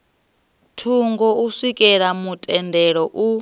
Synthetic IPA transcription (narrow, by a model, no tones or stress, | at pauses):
tʰuŋɡɔusikʼɛɺamutʼɛndɛɺɔʔu